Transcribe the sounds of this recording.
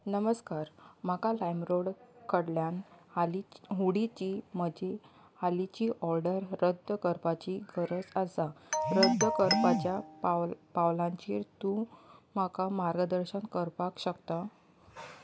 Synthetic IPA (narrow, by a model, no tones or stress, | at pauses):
nəməskaɾmakalajmɾoɽkəɽljanaliɦuɽit͡ɕiːm̤əd͡ʑe | alit͡ɕiːʔɔɾɖəɾːəd̪ʱəkəɾpat͡ɕiɡəɾəd͡zasaɾəd̪əkəɾpat͡ɕja | pawlãɲt͡ɕiɾt̪ũmakamaɾɡəd̪əɾɕənkəɾpakɕəkt̪a